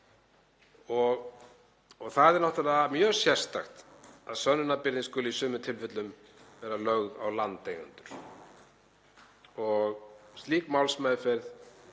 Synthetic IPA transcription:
ɔɣ | ɔɣθaðɛɾnɔht̪ʏɾaðamjœ̥ːsjɛ̥st̪axt̪aðsœnːʏnapɪɾðɪnskʏlʏisʏːmʏt̪ʰɪlfɪt̪lʏm | vɛːɾalœɣðawlant̪ejnʏ̰nt̪ʏɾ̥ | ɔɣst̪liːkmawlsmaːjðʏfɛɾð

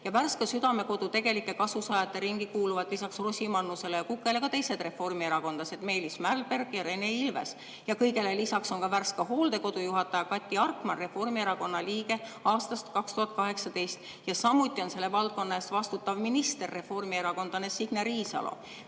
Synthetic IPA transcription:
jɑværskɑsyd̪̥ɑme̞ko̞d̪ut̪e̞ɡ̥e̞likːˑe̞kɑsusɑːjɑt̪ːˑe̞ɾiŋɡ̥ikuːluvɑd̪̥lisɑksrosʲimɑnːuse̞lejɑkukːˑe̞le̞kɑt̪e̞jse̞d̪̥re̞fo̞rmie̞ɾɑko̞nd̪̥ɑse̞d̪me̞jlismærlb̥e̞rɡ̥jɑɾe̞ne̞ilve̞̰s | jɑkɤjɡe̞le̞lisɑkso̞nkɑværskɑɦo̞ːld̪̥e̞ko̞d̪̥ujuɦɑt̪ːˑɑjɑkɑt̪ʲːˑiɑrkmɑnre̞fo̞rmieɾɑko̞nːɑliːɡe̞ɑːst̪ɑst̪kɑkst̪uhɑt̪̚ˑkɑɦe̞ksɑt̪e̞jst̪ | jɑsɑmːut̪ʲːˑio̞nse̞lːe̞vɑlt̪̚ko̞nːɑe̞ːst̪vɑst̪ut̪ːˑɑvminist̪e̞rːe̞fo̞rmie̞ɾɑko̞nd̪̥ɑnesiɡ̥neɾiːsɑ̰lʔo̰

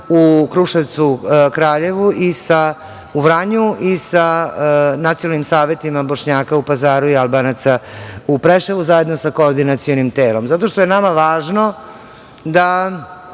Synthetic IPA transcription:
ukɾuʃaʋt̪sukɾaːʎe̞ʋuisa | uʋɾaɲuʔisa | nat̪ijonalnimsaːʋe̞t̪imabo̞ʃɲaːkaupazaːɾuialˠbanat̪saupɾeʃeʋuzaje̞d̪nosakoːɾd̪inat̪sijonimt̪eːlomzat̪o̞ʃt̪ojenamaʋaːʒno | d̪a

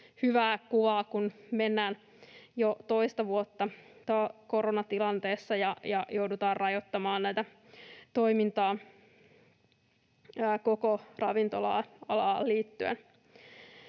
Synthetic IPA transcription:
hyʋæːkuʋɑːkunmenːæːn | jot̪oist̪ɑʋuot̪ːɑt̪okoɾonɑt̪ilɑnt̪eːsːɑjɑjɑjoudut̪ɑːrrɑjot̪ːɑmɑːnnæit̪æ | t̪o̞imint̪ɑː | kokorɑʋint̪olɑ̰ːɑlɑːlliːt̪ːyḛn

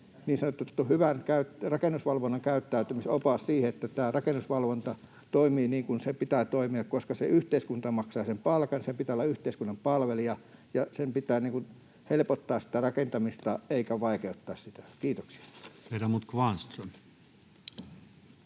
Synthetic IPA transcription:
niːnsɑnot̪ːut̪ːuhyʋænkæyt̪rɑkenːusʋɑlʋonːɑŋkæyt̪ːæyt̪ymisopɑːssiːheet̪ːæt̪æːrɑkenːusʋɑlʋont̪ɑ | t̪oimiːniːŋkunsepit̪æːt̪oimiɑkkoskɑsḛʔyht̪eiskunt̪ɑmɑksɑːsempɑlkɑnsempit̪æːolːɑyht̪eiskunːɑmpɑlʋeliɑjɑsempit̪æːniːŋkun | helpot̪ːɑːssi̥t̪ærɑkent̪ɑmist̪ɑeikæʋɑikeut̪ːɑːssit̪æ̥kiːt̪oksi̥ɑ̥ʋeiræmut̪kʋɑnst̪son

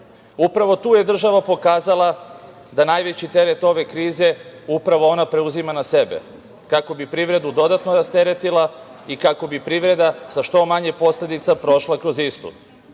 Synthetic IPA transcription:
upɾaʋo̞t̪uːje̞d̪r̩ʒaʋapo̞kaːzalˠa | d̪anajʋe̞t͡ɕit̪e̞ɾet̪o̞ʋe̞kɾiːze̞upɾaʋo̞o̞napɾe̞uzimanase̞bḛ | kako̞bipɾiʋɾe̞d̪ud̪o̞d̪at̪noɾast̪e̞ɾet̪ilˠaikako̞bipɾiʋɾe̞d̪asaʃt̪o̞maɲepo̞sle̞d̪it̪sapɾo̞ʃlˠakɾo̞zist̪ṵ

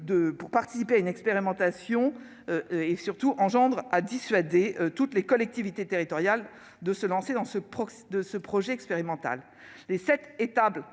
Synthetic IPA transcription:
d̪əpuʁpaʁt̪i̥sipeaynɛkspeʁimɑ̃t̪asjɔ̃ | esyʁt̪uʔɑ̃ʒɑ̃d̪ʁad̪isɥad̪eøt̪ut̪lekɔlɛk̚t̪ivit̪et̪eʁit̪ɔʁjal | d̪əsəlɑ̃sed̪ɑ̃səpχɔsd̪əsəpχɔʒɛɛkspeʁimɑ̃t̪a̰lː | esɛt̪et̪abl

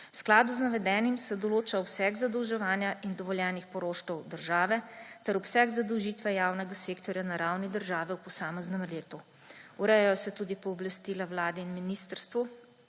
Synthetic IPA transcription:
wsklaːd̪uznaʋɛd̪ɛːnimsɛd̪ɔloːt͡ʃaɔpsɛɡzad̪ɔwʒɛʋaːnjaʔind̪ɔʋɔljɛːnixpɔɾoːʃt̪ɔwd̪əɾʒaːʋɛt̪ɛɾɔpsɛɡzad̪ɔwʒit̪ʋɛjaːwnɛɡaseːkt̪ɔɾjanaɾawnid̪əɾʒaːʋɛwpɔsaːmɛznɛmleːt̪u | uɾɛjɛjɔsɛt̪uːd̪ipɔːblast̪iːlawlaːd̪ɛinminiːst̪əɾst̪ʋu

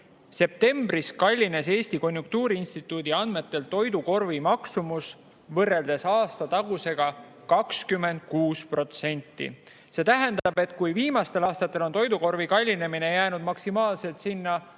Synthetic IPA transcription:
se̞p̚t̪e̞mbɾiskɑlʲːine̞se̞ːsʲt̪iko̞nʲjuŋk̚t̪uːɾiinst̪it̪ːˑuːd̪̥iɑnd̪me̞t̪ːe̞lt̪o̞jd̪uko̞rvimɑksumus | vɤrːe̞ld̪e̞sɑːst̪ɑt̪ɑɡ̥use̞ɡ̥ɑ | kɑkskymːe̞nd̪̚kuːspro̞t̪se̞nʲt̪ˑːḭ | se̞t̪æɦend̪̥ɑbe̞t̪ˑkujviːmɑst̪e̞lɑːst̪ɑt̪ˑːe̞lo̞nt̪o̞jd̪uko̞rvikɑlʲːine̞mine̞jæːnud̪̥mɑksimɑːlse̞lt̪sinːɑ

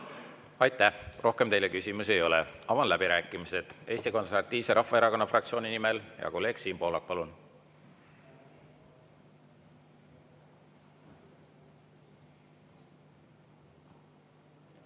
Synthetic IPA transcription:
ɑjt̪ːˑæhrʔo̞hke̞mt̪e̞jlekysʲimuse̞jo̞lɛ̰ɑvɑnlæb̥iɾæːkːˑimise̞d̪̥e̞ːsʲt̪iko̞nseɾvɑt̪ˑːiːv̥seɾʔɑhfɑeɾɑko̞nːɑfrɑkt̪sioːninimeljɑ̰ko̞le̞ːɡ̥siːnpo̞ːlɑk̚pɑlun

